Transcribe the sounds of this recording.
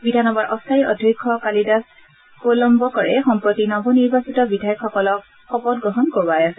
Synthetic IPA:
bidʱanɔbaɹʔɔstʰajɔ̰dʱikʰːɔkalidas | polɔmbɔkɔɹɛxɔmpɹɔtinɔbɔniɹbasitɔbidʱajɔkʰxɔkɔlɔk̚ | xɔpɔd̚ɡɹɔɦɔnkobajasɛ

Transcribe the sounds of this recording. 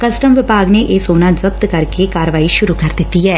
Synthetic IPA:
kɐsʈəmʋɪpaːɡneʔeːsoːnad͡ʒɐp̚t̪kɐɾkekaːɾəʋaːiʃʊɾukɐɾd̪ɪt̪ːiɦɛː

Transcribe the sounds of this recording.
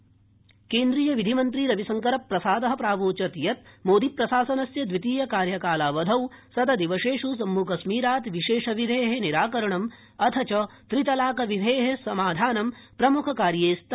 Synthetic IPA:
keːnd̪ɾijɐʋid̪ʱimɐnt̪ɾiɾɐʋisɐŋkɐɾɐpːɾɐsaːd̪ɐɦɐ̆pɾaːʋoːt͡ʃɐt̪jɐt̪̚moːd̪ipɾɐsaːsɐnɐsjɐd̪ʋit̪iːjɐkaːɾjɐkaːlaːʋɐd̪ʱɐwsɐd̪ɐd̪iʋɐʃeːʂus̬ɐmːukɐsmiːɾaːt̪ʋiʃeːʂɐʋid̪ʱeːɦeniɾaːkɐɾɐɳɐm | ɐt̪ʰɐt͡ʃɐt̪ɾit̪ɐlaːkɐʋid̪ʱeːɦesɐmaːd̪ʱaːnɐmpɾɐmukʰɐkaːɾjeːst̪

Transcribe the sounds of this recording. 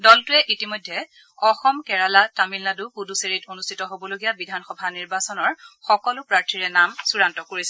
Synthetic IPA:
dɔltʊɛʔitimojdʱːɛ | ɔxɔmkɛɹalatamilnadukuduseɹitonustʰitɔɦobɔloɡijabidʱanxɔbʱaniɹbasɔnɔɹxɔkɔlʊpɹaɹtʰiɹɛnamsuɹantɔkoɹisɛ

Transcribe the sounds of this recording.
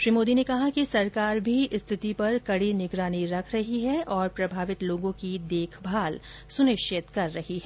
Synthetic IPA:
ʃɾiːmoːd̪inekɐɦakisɐɾkaːɾbʱiɪst̪ʰɪt̪ipɐɾkɐɽinɪɡɾaːniɾɐkʰɾɐɦiɦɛʔɔːɾpɾɐbʱaːʋɪt̪loːɡõkid̪eːkʰbʱaːl | sʊnɪʃɪt̪kɐɾːɐɦiɦɛː

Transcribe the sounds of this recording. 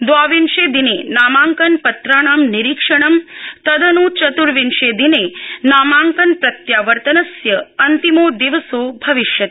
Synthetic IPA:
d̪ʋaːʋinʃed̪inenaːmaːŋkɐnpɐt̪ɾaːɳ̃aːmniɾikʂɐɳ̃ɐmt̪ɐd̪ʱɐnut͡ʃɐt̪uɾʋinʃed̪inenaːmaːŋkɐnpɾɐt̪jaːʋɐɾt̪ɐnɐsjɐɐnt̪imoːd̪iʋɐsoːbʱɐʋiʃjɐt̪

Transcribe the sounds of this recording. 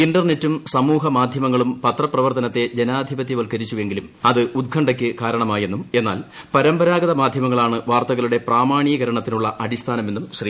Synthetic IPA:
iɳɖɐrne̞tːumsɐmuːɦɐmaːd̪ʱjɐmɐŋːɐɭumpɐt̪rɐprɐʋɐrt̪ɐnɐt̪ːe̞d͡ʑe̞naːd̪ʱibɐt̪ːjiʋɐlkɐɾit͡ɕːuʋe̞ŋɡilumɐðɨud̪̚kʰɐɳɖɐkʲːɨkaːɾɐɳɐmaːje̞nːume̞nːa̰ːl | pɐɾɐmbɐɾaːɡɐðɐmaːd̪ʱjɐmɐŋːɐɭaːɳɨʋaːrt̪ɐɣɐluɽe̞praːmaːɳijɐɣɐɾɐɳɐt̪ːinuɭːɐʔɐdist̪ʰaːnɐmenːumɕri

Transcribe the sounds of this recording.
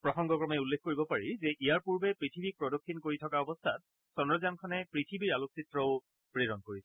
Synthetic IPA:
pɹɔxɔŋɡɔkɹɔmɛulːek̚ʰkoɹibɔpaɹizɛʔijaɹpuɹbɛpɹitʰibik̚pɹɔdokʰːinkoɹitʰɔkaɔbɔstʰat̚ | sɔnɔzankʰɔnɛpɹitʰibiɹaloksitɹɔʊ | pɹeɹɔnkoɹisɛ

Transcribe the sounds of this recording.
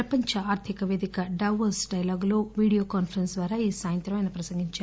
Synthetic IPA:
ɐpɐɲt͡ʃɐaːɾt̪ʰikɐʋeːd̪ikɐɖɐwʋɐsɖɐjɐlaːɡulo̞ːʋiːɽijoːkaːnfʰɐɾɐnsd̪ʋaːɾaːiːsaːjɐnt̪ɾɐmɐjnɐpɾɐsɐŋɡiɲt͡ʃaː

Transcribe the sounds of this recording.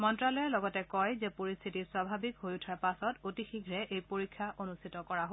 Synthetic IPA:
mɔntɹalɔjɛlɔɡɔtɛkɔjzɛpoɹist̪ʰitiswabʱabikɦojutʰaɹpasɔtotixiɡʱɹɛʔejpoɹikʰːaʔonustʰitɔkɔɹaɦo

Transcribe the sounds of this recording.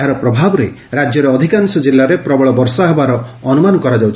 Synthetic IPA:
ɦaɾɔpɾɔbʱabɔɾe | ɾad͡ʒjɔɾeɔd̪ʱikansɔd͡ʒilːaɾepɾɔbɔɭɔbɔɾsɔɦebaɾɔːnumanɔkɔɾad͡ʒewt͡ʃʰ

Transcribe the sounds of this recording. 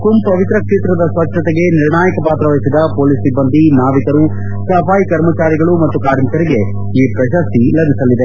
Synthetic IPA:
kumpɐʋit̪ɾɐkʂeːt̪ɾɐd̪ɐsʋɐt͡ʃːɐt̪ɛɡe̞niɾɳaːjɐkɐpaːt̪ɾɐʋɐjisid̪ɐpoːlisibːɐnd̪inaːʋit̪ɐɾu | sɐpaːjikɐɾmɐt͡ʃaːɾiɡɐɭumɐt̪ːukaːɾnikɐɾiɡe̞ | iːpɾɐʃɐst̪ilɐb̪ʱisɐlːid̪e

